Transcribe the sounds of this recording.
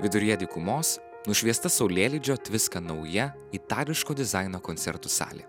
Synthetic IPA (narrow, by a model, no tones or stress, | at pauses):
ʋʲɪd̪ʊɾʲjɛd̪ʲiːkʊmoːs | nʊʃʲʋʲiɛst̪ɐsɐʊlʲeːlʲɪd͡ʒʲoːt̪ʲʋʲɪskɐnɐʊjɛ | it̪ɑːlʲɪʃkoːd̪ʲɪzɑɪnoːkɔnt̪sʲɛ̰ɾt̪usɑ̰ːlʲḛː